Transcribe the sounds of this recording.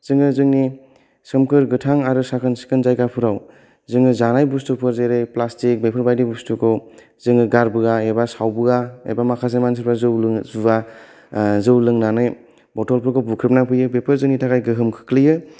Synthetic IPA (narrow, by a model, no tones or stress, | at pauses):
z̥ɯŋɯzɯŋni | sɯmkʰɯɾɡɯtʰaŋaɾɯsakʰɯnsi̥kʰɯnzajɡapʰuɾaw | zɯŋɯzanajbustupʰɯɾzeɾejplastik̚bepʰɯɾbajdibustukʰow | zɯŋɯɡaɾbɯɡaebasawbɯɡaḛbamakʰas̬emans̬ʰiɾpazɯwlɯzuɡa | zɯwlɯŋnanɯj | bɔtɔlpʰɯɾkʰɔbukʰɾip̚napʰɯjɯbepʰɯɾzɯŋnitʰakajɡɯɦɯmkʰɯ̥kʰlɯjɯ